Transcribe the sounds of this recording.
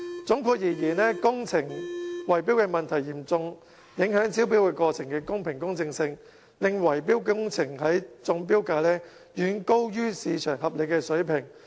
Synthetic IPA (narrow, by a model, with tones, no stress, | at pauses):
t͡sʊ˨˥ŋkʰuː˧k̚jiː˨˩jiː˨˩nɛ˥kʊ˥ŋt͡sʰɪ˨˩ŋwɐ˨˩jpiː˥wkɛː˧mɐ˨nt̪ʰɐ˨˩jːiː˨˩mt͡sʊ˧ŋ | jɪ˨˥ŋɦœː˨˥ŋt͡sʰiː˥wp̬i˥wkɛː˧kɔː˧t͡sʰɪ˨˩ŋkɛː˧kʊ˥ŋpʰɪ˨˩ŋkʊ˥ŋt͡sɪ˧ŋsɪ˧ŋ | lɪ˨ŋwɐ˨˩jpiː˥wkʊ˥ŋt͡sʰɪ˨˩ŋhɐ˨˥jt͡sʊ˧˥ŋp̬iː˥wkaː˧lɛː˥ | jyː˨˧nko˥wjyː˥siː˨˧t͡ʃʰœː˨˩ŋɦɐ˨p̚le˨˧jkɛː˧sɵ˨˥ɥpʰɪ˨˩ŋ